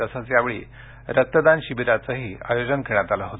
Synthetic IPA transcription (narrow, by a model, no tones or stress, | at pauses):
əsat͡sjaʋeɭḭː | ɾət̪ːəd̪anɕibiɾat͡səɦiːa̰jod͡zənkʰeɽ̃at̪alaɦot̪